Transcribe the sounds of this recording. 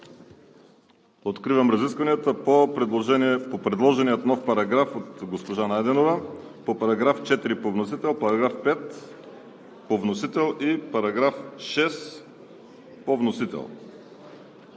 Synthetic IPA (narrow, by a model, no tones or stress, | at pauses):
ot̪kɾivəmɾɐziskvɐniət̪əpopɾɛd̪lˠoʒɛniɛpopɾɛd̪lˠɔʒɛniət̪nɔfpɐɾɐɡɾafot̪ɡospoʒanajd̪ɛnovəpopɐɾɐɡɾaft͡ʃɛt̪iɾipovnosit̪ɛlˠpɐɾɐɡɾafpɛt̪ | povnosit̪ɛlˠʔipɐɾɐɡɾafʃɛs | povnosit̪ɛ̰lˠ